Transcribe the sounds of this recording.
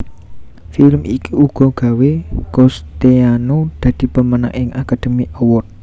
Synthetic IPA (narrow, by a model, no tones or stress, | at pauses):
filmʔikiuɡ̥ɔ̤ɡ̥ä̤wekɔst̪eanod̪̥ä̤d̪̥i̤pəməna̰ŋʔɪŋʔakad̪̥ə̤miʔəwʊt̪̚